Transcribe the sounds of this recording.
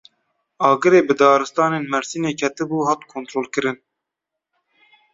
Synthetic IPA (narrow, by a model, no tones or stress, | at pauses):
ɑːɡɨɾeːbɨd̪ɑːɾɨst̪ɑːneːnmɛɾsineːkʰɛt̪ɨbuːɦɑːt̪kʰoːnt̪ɾoːlkɨɾɨn